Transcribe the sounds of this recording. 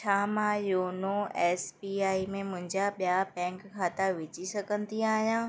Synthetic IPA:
t͡ɕʰaːmãjoːnoɛːsbiːaːimẽmʊ̃ɦɪ̃ɲd͡ʑaɓijapɛ̃ːŋkkʰːaːt̪aʋɪt͡ɕisɐɡʱə̃nd̪iaːɦijãː

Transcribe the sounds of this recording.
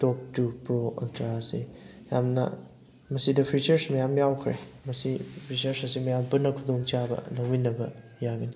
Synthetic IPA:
tɔp̚tupɾoɐ̰ltaɾasijamnɐ̰ | mɐsidɐpʰɾit͡ʃɐɾsmɐjamjawkʰɾemɐsipʰɾit͡ʃɐɾsɐsimɐjampɐnːɐkʰudoŋt͡ʃabɐ̰lɐwminːɐbɐ | jaɡɐni

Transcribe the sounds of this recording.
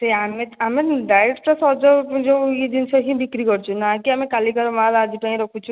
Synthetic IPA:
t̪eamẽt̪amẽɖaeʈpɾesɔd͡ʒɔd͡ʒoid̪insɔɦĩbikɾikɔɾt͡ʃʰunakiamẽkalikaɾmalad͡ʒ̪ipaĩɾɔkʰut͡ʃʰu

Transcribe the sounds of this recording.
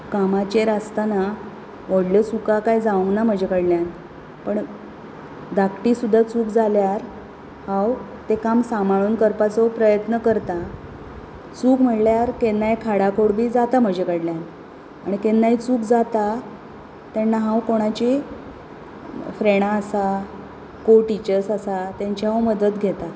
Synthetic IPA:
kamat͡ɕeɾast̪ana | ʋəɽlət͡sukakajd͡zaʋəŋɡnam̤əd͡ʑʱekəɽljan | pəɳ | d̪akʈisud̪ʱːat͡suːkd͡zaljaɾ | hãw | t̪ekamsamaɭunkəɾpat͡sopɾəjət̪nəkəɾt̪a | t͡suːkm̤əʈljaɾkenːajkʰaɽakʰoɽbʱiːd͡zat̪am̤əd͡ʑʱekəɽljan | aɽ̃ikenːajt͡suːkd͡zat̪a | t̪janːaɦãwkoɽ̃at͡ɕi | fɾeɽ̃aːsa | koʈit͡ɕəɾsasat̪jaɲt͡ɕaɦawməd̪ət̪ɡʱet̪a

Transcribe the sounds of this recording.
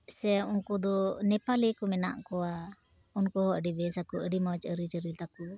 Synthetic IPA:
sɛunkud̪ɔnɛpalikɔmɛna̰ʔkɔwa | unkɔhɔʔəɖibɛsakuʔəɖimɔt͡ʃəɾit͡ʃəɾit̪aku

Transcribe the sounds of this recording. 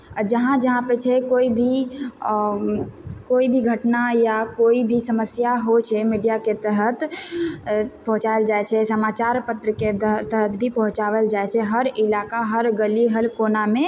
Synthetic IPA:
d͡ʒəɦãd͡ʒəɦãpet͡ʃʰɛkoːibʱi | koːibʱiɡʱəʈnajakoibʱisəməsjaɦot͡ʃʰɛmiɖijaket̪əɦət̪ | pəɦʊ̃t͡ʃaeld͡ʒaet͡ʃʰɛsəmaːt͡ʃaːɾpət̪ɾəkeət̪əɦət̪ʰbʱipəɦʊ̃t͡ʃaʋəld͡ʒaet͡ʃʰɛɦəɾɪlakaɦəɾɡəliɦəlkonamẽ

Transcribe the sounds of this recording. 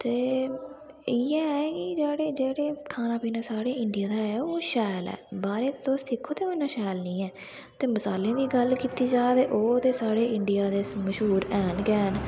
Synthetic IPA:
t̪eː | iːɛːɛkɪd͡ʒeːɽeːd͡ʒeːɽeːkʰaːnaːpiːnaːsaːɽeːɪɳɖɪjãːd̪aːoːʃɛːlɛ̰ːbaːɾeːt̪eːt̪oːst̪ʰɪkʰːoːt̪eːonaːʃɛːlnĩːɛː | t̪eːməsaːlẽːd̪iːɡəlkiːt̪iːd͡ʒaːt̪eːʔoːt̪eːsaːɽeːɪɳɖɪjaːd̪eːməʃɦuːɾɛːnɡɛːn

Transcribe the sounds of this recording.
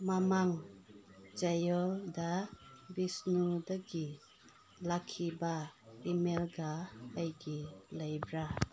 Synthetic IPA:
mamaŋ | d͡ʒajɔldabisnudaɡi | lakʰːibaimelɡaːjɡilajbɾa

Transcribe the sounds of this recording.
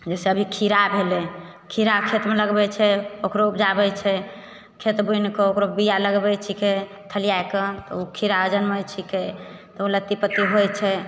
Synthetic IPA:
d͡ʒɛseəbʱikʰiɾabʱelekʰiɾakʰet̪meləɡbɛt͡ʃʰɛokɾoupd͡ʒabɛt͡ʃʰɛ | kʰet̪bujnekeokɾobijaləɡbɛt͡ʃʰike | t̪ʰəlijaeket̪ɔukʰiɾaəd͡ʒənmət͡ʃʰiket̪ɔulət̪ipət̪ːiɦojt͡ʃʰɛ

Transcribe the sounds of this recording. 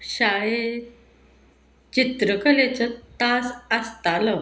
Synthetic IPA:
ɕaɭe | t͡ɕit̪ɾəkəlet͡sət̪asəst̪alɔ

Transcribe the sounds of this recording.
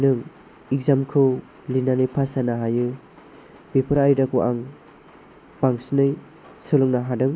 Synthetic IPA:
nɯŋ | ik̚zamkʰɯw | linanɯjpʰasanaɦajɯ | b̥ipʰɯɾajdakuʔaŋ | paŋsnɯj | sɯlɯŋnaɦadɯŋ

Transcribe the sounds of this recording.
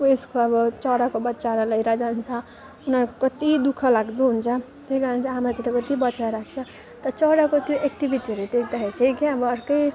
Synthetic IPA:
eskoʌbʌt͡sʌɽakobʌtːt͡saɾalʌjɾʌd͡zant͡sʰʌ | unʌɾukokʌt̪id̪ukʰʌlaɡd̪uɦunt͡sʰʌ | t̪ejɡʌɾʌnt͡sʰaɦamɾat͡siʈakʌt̪ibʌtːt͡saɾak̚ʰt͡sʰʌ | t̪ʌt͡sʌɽakot̪joʔek̚ʈibʱiʈiɦʌɾut̪ekʰd̪aɦet͡sʰejkeʌbʌːɾkʌj

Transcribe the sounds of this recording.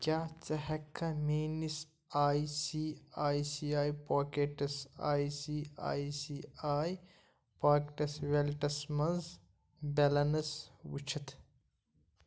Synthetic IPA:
kʲjaːt͡sɐɦɐkʰːɐmeːnis | aːisiːaːisiaːjpaːkeʈɐsa̰ːisia̰ːisiaːj | paːkʈɐsʋelʈɐsmɐnz | belɐnɐswut͡ʃʰɐt̪ʰ

